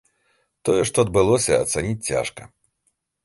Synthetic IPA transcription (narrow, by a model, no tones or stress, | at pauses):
t̪ɔjɛʂt̪ɔɐd̪̚bɨlˠɔsʲɐ̰ːt̪sanʲit͡sʲt͡sʲa̰ʂkɐ